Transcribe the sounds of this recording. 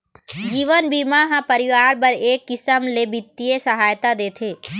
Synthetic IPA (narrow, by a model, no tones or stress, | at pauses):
d͡ʒiːʋənbiːmaɦãpəɾɪʋaːɾpɐɾeːkːɪsəmleːbɪt̪ːijesɐɦaːjt̪ad̪eːt̪ʰeː